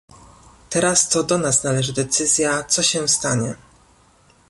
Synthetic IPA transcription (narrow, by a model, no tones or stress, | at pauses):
t̪ɛɾast̪ɔd̪ɔnasnalɛʐɘd̪ɛt̪sɘzʲjat̪sɔɕɛst̪aɲɛ